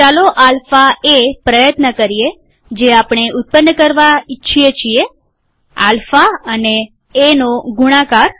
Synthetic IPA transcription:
t͡ʃaloʔalfaepɾəjət̪nəkəɾie | d͡ʒeapɳ̃eʊt̪̚pənːəkəɾʋaitːʃʰiet͡ʃʰie | a̰lfaəneː | noɡuɽ̃ãkaɾ

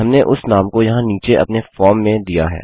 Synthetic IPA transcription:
ɦɐmneʔʊsnaːmkojɐɦãniːt͡ʃeʔɐ̰pnefɔːɾmːẽd̪ijaɦɛ̰ː

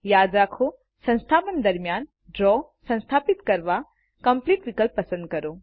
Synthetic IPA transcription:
jaːd͡ʒakʰo | sɐ̃nst̪ʰaːpənd̪ɐɾmjaːn | ɖɾɔːsɐ̃ñst̪ʰaːpit̪kɐɾʋa | kɐmpliːʈʋikəlpːɐsə̃nd̪̚kɐɾoː

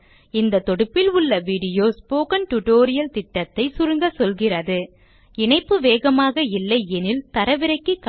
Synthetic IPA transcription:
ɪnd̪ɐt̪ːɔɽɯpːɪlʊɭːɐʋiɽɪjoːspoːkɐnʈʊʈoːɾɪjɐlt̪ɪʈːɐt̪ːɐɪsʊɾɯŋɡɐsɔlɣɪrɐðɯ | ɪɳɐɪpːɯʋeːɣɐmaːɣɐɪlːɐɪɛnɪlt̪ɐɾɐʋɪɾɐɪkːɯk

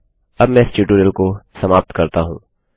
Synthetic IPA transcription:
ɐbmɛ̃ːɪst͡ʃuːʈuɖəlkosɐmaːp̚t̪kɐɾt̪aɦũː

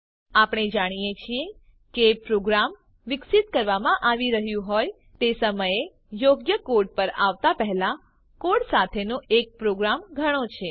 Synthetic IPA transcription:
apɽ̃ed͡ʒaɽ̃ijet͡ʃʰie | kepɾoɡɾam | ʋɪksit̪kəɾʋamãʔaʋiɾəɦjũɦoj | t̪esəməje | joɡjəkoɖ̚pəɾaʋt̪apəɦɛla | koɽsat̪ʰenõʔek̚pɾoɡɾamɡʱəɽ̃ot͡ʃʰe

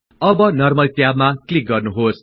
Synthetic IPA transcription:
ʌbʌnʌrmʌlt̪jabmaklik̚ɡʌrnuɦos

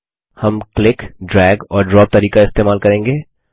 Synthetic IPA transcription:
hɐmklɪkɖɾɛːɡɔːɾɖɾɔːp̚t̪ɐɾiːkaɪst̪eːmaːlkɐɾẽːŋɡeː

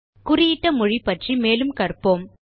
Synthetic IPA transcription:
kʊrɪjɪʈːɐmʊɻipːɐʈrimeːlɯmkɐrpːoːm

